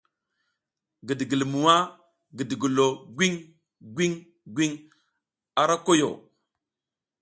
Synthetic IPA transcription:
ɡi˨di˨ɡi˨lmu˨wa˦ | ɡi˨di˨ɡu˨lo˨ɡʷi˦ŋ | ɡʷi˦ŋ | ɡʷi˦ŋ | a˨ɾa˦ko˦jo̰˨

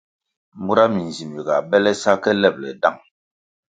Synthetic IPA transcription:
mu˦ɾa˦mi˨n˨zi˨mi˨ɡa˨bɛ˦lɛ˦sa˦kɛ˦lɛ˦˨p̚lɛ̰˨da˦˨ŋ

